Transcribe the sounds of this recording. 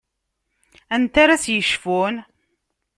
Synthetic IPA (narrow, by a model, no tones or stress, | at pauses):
ænt̪aɾasjəʃfun